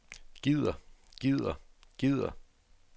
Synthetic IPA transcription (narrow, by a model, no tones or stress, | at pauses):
ɡ̥ið̰ˠɐɡ̥ið̰ˠɐɡ̥ið̰ˠɐ̰